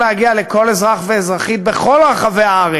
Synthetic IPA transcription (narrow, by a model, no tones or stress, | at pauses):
lehaɡiale̞ko̞le̞zʁaχveezʁaχit̪̚be̞χo̞lʁaχaveaaʁe